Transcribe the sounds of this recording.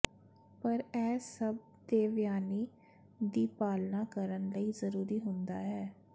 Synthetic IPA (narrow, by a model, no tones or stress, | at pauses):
pəɾɛːsəb̚d̪eːʋjaːniː | d̪iːpaːlnaːkəɾənləiːzəɾuːɾiːɦʊnd̪aːɦɛː